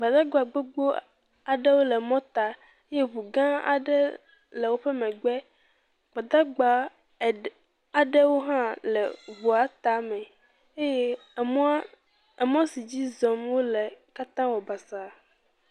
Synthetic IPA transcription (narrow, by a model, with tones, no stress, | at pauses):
ɡ͡ba˨d̪a˦ɡ͡bɔ˦a˨ɡ͡bo˦ɡ͡bo˦ | a˨ɖɛ˦wo˦lɛ˨mɔ̃˦t̪a˨ | e˦je˦βu˨ɡã˦a̰˨ɖɛ˦ | lɛ˨wo˦ɸɛ˦mɛ̃˨ɡ͡bɛ˦ | ɡ͡ba˨d̪a˦ɡ͡ba˨ | a˨ɖɛ˦wo˦ɦã˦lɛ˨βu˨a˨t̪a˨mɛ̃˨ | e˦je˦ | ɛ˨mɔ̃˦si˨d͡ʑi˦zɔ̃˨mwo˦lɛ˨ka˦t̪ã˦wɔ˨ba˨sa˨